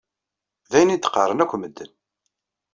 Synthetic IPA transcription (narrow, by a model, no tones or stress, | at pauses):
ðæjnid̪ə̥qəɾˤːənækʷːməd̪ːən